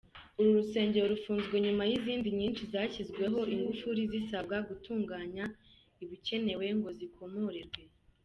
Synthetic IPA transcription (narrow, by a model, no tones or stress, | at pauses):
uɾuɾuse̞ːɲɟe̞ɾoɾufuːnzɡwe̞ɲumajiziːndiɲiːnʃizaːcizɡwe̞ɦo̞ʔiŋɡufuɾizisabɡaɡutuːŋɡaːɲa | iβice̞ne̞we̞ŋɡo̞zikʰo̞moɾiɾɡwe̞